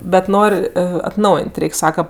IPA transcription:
bʲɛt ˈnoːrʲ ɐtˈnɐʊjeːnʲtʲ ˈrʲɛɪkʲ ˈsɑːkɐ

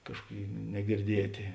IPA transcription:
ˈkɑːʃkuɔˌkʲeːɪ nʲɛɡʲɪrʲˈdʲiɛtʲeː

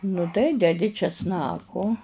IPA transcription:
nʊ ˈtɐɪ dʲɛˈdʲɪ t͡ʃʲɛsˈnɑːkoː

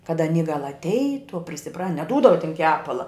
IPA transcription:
kɐt ɐˈnʲiː ɡɐlˠ ɐtʲˈɛɪtʊ ɐ pʲrʲɪsʲɪˈprɐ nʲɛˈduːdɐʋɐ tʲɪn ˈkʲæːpɐlˠɐ

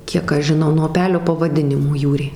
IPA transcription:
ˈkʲiɛk ˈɐʃ ʒʲɪˈnɐʊ nuɔ ʊˈpʲæːlʲoː pɐʋɐˈdʲɪnʲɪmoː ˈjuːrʲeː

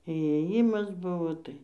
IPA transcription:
iːeːˈjɪmɐs ˈbʊʋoː ˈtɐɪ

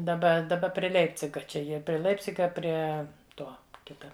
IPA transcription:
dɐˈbɐ dɐˈbɐ pʲrʲiɛ ˈlʲɛɪpʲt͡sʲɪɡɐ ˈt͡ʃʲɛ ˈjiɛ pʲrʲɪ ˈlʲɛɪpʲt͡sʲɪɡɐ ˈpʲrʲiɛ ˈtoː ˈkʲɪtɐ

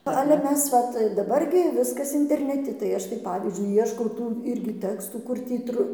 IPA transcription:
ˈɑːlʲɛ ˈmʲɛs ˈʋɐt dɐˈbɐr ɡʲɪ ˈʋʲɪskɐs ɪnʲtʲɛrʲnʲɛˈtʲɪ tɐɪ ˈɐʃ tɐɪ ˈpɑːʋʲiːzʲd͡ʒʲʊɪ ˈiɛʃkɐʊ ˈtuː ˈɪrʲɡʲɪ ˈtʲæːkstuː ˈkʊr tʲiː ˈtrʊ

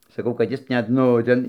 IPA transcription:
sɐˈkɐʊ kɐt ˈjɪs ˈnʲɛt ˈnʊ tʲɛn

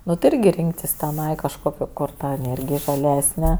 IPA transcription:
ˈnʊ tɐɪ ˈɪrʲɡʲɪ ˈrʲɪŋktʲɪs tʲɛˈnɐɪ kɐʃˈkoːkʲoː koːr ˈtɐ ɛˈnʲeːrʲɡʲɪj ʒɐˈlʲæːsʲnʲɛ

